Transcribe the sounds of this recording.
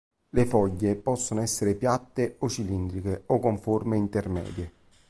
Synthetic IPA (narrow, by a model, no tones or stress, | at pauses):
lefɔʎːepɔsːonoɛsːeɾepjat̪ːeot͡ʃilind̪ɾik̟eokːoɱformeint̪ermɛ̰ːd̪je